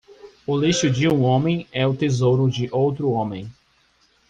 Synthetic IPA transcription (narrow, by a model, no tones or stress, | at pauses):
ʊliʃʊd͡ʒɪũõmẽj̃ɛʊt̪ezowɾʊd͡ʒɪʔowt̪ɾʊõmẽj̃